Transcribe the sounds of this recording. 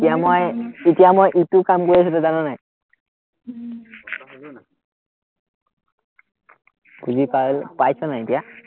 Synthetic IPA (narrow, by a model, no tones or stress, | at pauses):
tijamojitijamojʔitukamkoɹias̬utʊzanɔnaj | buzikalpajsɔnajetija